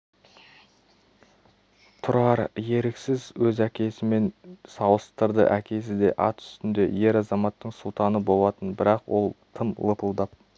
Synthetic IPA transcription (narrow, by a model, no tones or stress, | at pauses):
t̪ʰʊɾɑɾje̞ɾɪksɪzwɵzækʲe̞sɪme̞nsɑwəst̪əɾd̪ə̰ʔækʲʰe̞s̬ɪd̪e̞̰ʔɑ̰t̪ʏ̥st̪ɪnd̪e̞̰je̞ɾɑzɑmɑt̪ːəɴsʊlˠt̪ɑnəbo̞lˠɑt̪ənbɪɾɑqwo̞̰lˠt̪ʰəmlˠəpəlˠd̪ɑp̚